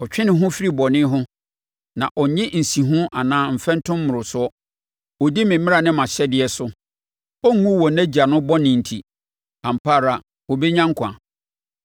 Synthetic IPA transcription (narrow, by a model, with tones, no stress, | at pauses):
ɔ˨t͡ɕᶣɪ˦nɪ̃˨ɦʊ̃˦fi˦ɾi˦bɔ˨nɪ̃˦ɦʊ̃˦ | nã˨ʔɔ˨ɲɪ̃˦n̩˨sĩ˨ɦʊ̃˦ʔa˨nãː˨˦m̩˨fɛ̃˦n̩˦tʰʊ̃˦mː˦ʊ̃˨ɾʊ˨sʊ˦ɔ˦ | ɔ˨di˦mɪ̃˨mmɪ̃˦a˨nɪ̃˦mã˨ɕɛ˦dɪ˨ɛ˦sʊ˦ | ɔ˦ŋ˦ɡũ˦wɔ˨næ̃˦d͡ʑi˨a˨nʊ̃˦bɔ˦nɪ̃˨n̩˨tʰi˨ | ã˨m̩˨pʰaː˦˨ɾa˨ | ɔ˨be˦ɲã˦ŋ˦kʷʰã̰˨